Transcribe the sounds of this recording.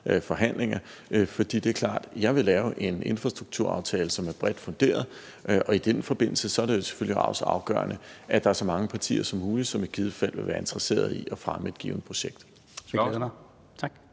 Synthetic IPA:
fɒ̽ɦæn̰le̝ŋɐfɒ̽d̥ḭːd̥e̝æɐkʰlɑ̰̈ːd̥jɑ̈ɪʋe̝lɛːʊʔe̝nʔe̝nfʁɑ̈sd̥ʁuɡ̥̚t͡sʰuɐ̰ɑ̈ʊt͡sʰɛːləsɒ̽mæɐb̥ʁɛd̥fɔ̽nd̥e̝̰ːɐðˠ | ʔʔɒ̽id̥enfɒ̽b̥e̝n̰l̩səsɒ̽æɐɾ̥e̝jo̝se̥føl̰jiɑ̈ʊsəɑ̈ʊɡ̥ɶ̰ɐ̰nʔəʔæd̥ɑ̈æɐsɒ̽mɑ̈ŋəpʰɑ̈t͡sʰḭːɐsɒ̽mːuːli̥sɒ̽me̝d̥̚ɡ̥ʰið̞ˠəfæl̰ʋe̝ʋæːɐe̝nd̥ʁɐse̝̰ːɐð̞ˠiʔɒ̽fʁaməe̝d̥ɡ̥ḭːʊnəpʰʁo̝ɕeɡ̥̚d̥ | t͡sʰɑɡ̥

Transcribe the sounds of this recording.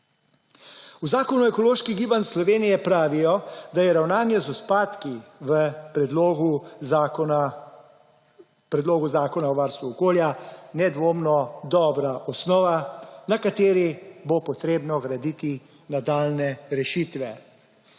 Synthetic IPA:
uzaːkɔnuɛkɔloːʃkiɡiːbanslɔʋeːnijɛpɾaːʋijɔd̪ajɛɾawnaːnjɛzɔt̪paːt̪kiʋəpɾɛd̪loɡu | pɾɛd̪loːɡuzaːkɔnaɔʋaɾst̪ʋuɔkoːljanɛd̪ʋoːmnɔd̪ɔːbɾaʔɔsnɔːʋanakat̪eːɾibopɔt̪ɾeːbnɔɡɾad̪it̪i | nad̪aːlnɛɾɛʃit̪ʋɛ

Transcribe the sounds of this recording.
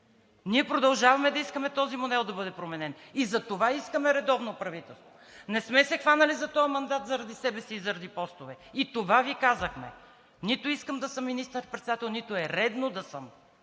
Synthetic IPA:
niɛpɾod̪ɐlˠʒavɐmɛd̪ɐiskɐmɛt̪ɔzimonɛlˠd̪ɐbɤd̪ɛpɾomɛnɛnizɐt̪ovaiskəmɛɾɛd̪ɔvnopɾɐvit̪ɛlˠst̪vo | nɛsmɛsɛxvanɐlizɐt̪ɔɐmɐnd̪at̪zɐɾɐd̪isɛbɛsiːzɐɾɐd̪ipɔst̪ovɛit̪ovavikazɐxmɛ̰ | nit̪oiskəmd̪ɐsɤmːinist̪əɾpɾɛt̪sɛd̪at̪ɛlˠnit̪oɛɾɛd̪nod̪ɐsɤm

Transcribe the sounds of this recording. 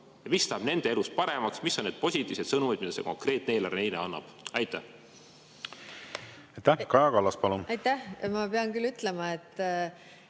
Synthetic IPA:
jɑvist̪ɑːbne̞nd̪ee̞lust̪̚pɑɾe̞mɑksmisːo̞nned̪̚po̞sʲit̪ʲːˑi̥ːse̞t̪sɤnumid̪̥̚mid̪ɑse̞̰ko̞ŋkre̞ːt̪ne̞ːlɑrnejlḛɑnːɑ̰b̥ɑjt̪ːˑæh | ɑjt̪ːækɑjɑkɑlːɑspɑlunɑjt̪æhmɑpeɑnkylyt̪lemɑet̪ː

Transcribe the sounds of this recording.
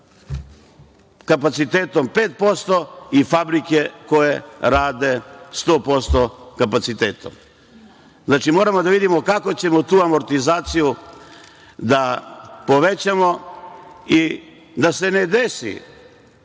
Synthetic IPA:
kapat̪sit̪eːt̪o̞mpeːt̪̚po̞st̪o̞ifabɾike̞koje̞ɾaːd̪e̞st̪o̞ːpo̞st̪o̞kapat̪sit̪eːt̪o̰m | znaːt͡ʃimo̞ːɾamod̪aʋid̪imo̞kako̞t͡ɕe̞mo̞t̪uːamo̞ɾt̪izaːt̪siju | d̪apo̞ʋe̞t͡ɕamo̞ | i | d̪ase̞ne̞d̪esḭ

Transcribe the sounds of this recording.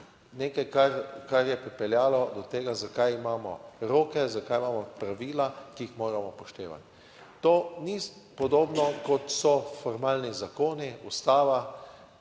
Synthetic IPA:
neːkajkaɾkaɾjɛpɾipɛljaːlɔd̪ɔt̪eːɡazakajimaːmɔ̰ɾoːkɛzakajimaːmɔpɾaʋiːlakiixmoːɾamɔpɔʃt̪ḛːʋa̰t̪ː | oːni | pɔd̪oːbnɔkɔt̪sɔfɔɾmaːlnizakoːniust̪aːʋa

